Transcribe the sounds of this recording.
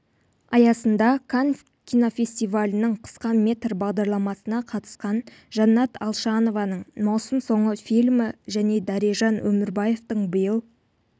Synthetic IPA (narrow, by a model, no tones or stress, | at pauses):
ɑjɑsənd̪ɑkʰan | kʲʰijno̞fʲe̞sʲt̪ʲijvalʲɪnəɴqʰə̥sqɑmʲe̞t̪ɾbɑʁd̪ɑɾlˠɑmɑsənɑqʰɑt̪ə̥sqɑn | ʒɑnːɑt̪ʰɑlˠʃɑno̞vɑnəɴmɑwsəmso̞ɴəfilʲmɪʒæne̞d̪ɑɾiʒɑnwɵmɪɾbɑje̞ft̪əɴbəjəlˠ